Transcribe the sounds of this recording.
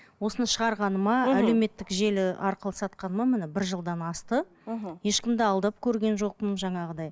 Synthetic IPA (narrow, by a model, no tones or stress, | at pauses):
wo̞sənʃəʁɑɾʁɑnəmɑæle̞wme̞t̪ːɪkʒe̞lɪɑ̰ɾqəlˠəsɑt̪̚qɑnəmɑmɪnɪbɪɾʒəlˠd̪ɑnɑst̪ə | je̞ʃkʲɪmd̪ɪɑlˠd̪ɑp̚kʲʰɵɾɡʲe̞nʒo̞q̚pəmʒɑɴɑʁəd̪ɑj